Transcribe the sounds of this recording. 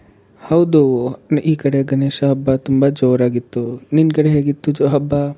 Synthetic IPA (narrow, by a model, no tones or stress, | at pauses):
hɐwd̪onʔiːkɐɽeɡɐneːʃɐɦɐbːat̪umbad͡ʒoːɾaːɡit̪ːoninkɐɽeɦeɡit̪ːud͡ʒoːɦɐbːa